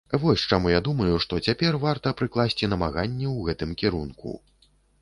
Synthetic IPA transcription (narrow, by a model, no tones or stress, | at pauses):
vɔsʲt͡ʂamujad̪umɐjuʂt̪ɔt͡sʲapʲɛrvart̪ɐpɾɨklˠasʲt͡sʲinɐmaɣanʲːɛwɣɛt̪ɨmkʲɛɾunkṵ